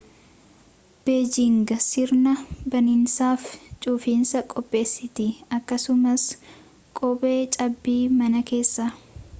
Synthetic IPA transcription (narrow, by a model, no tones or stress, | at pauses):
b̥eːd͡ʒɪŋɡɐsɪɾnɐbɐnɪnsaːft͡ʃʼuːfiːnsɐkʼɔpʼːe̞ːsːɪt̪ɪɐkːɐsʊmɐs | kʼɔːbʼe̞ːt͡ʃʼɐbːiːmɐnɐke̞ːsːɐ